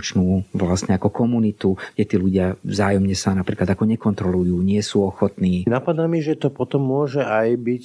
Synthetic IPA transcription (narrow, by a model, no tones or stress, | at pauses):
t͡ʃnuːʋlasɲɛakɔkɔmunit̪uɡ̥ɟɛt̪iːluɟɪavzaːjɔmɲɛsanapɾiːklad̪akɔɲɛkɔnt̪ɾɔlujuːɲɪɛsuːɔxɔt̪niːnapad̪amiʒɛt̪ɔpɔt̪ɔmːʊɔʒɛajbic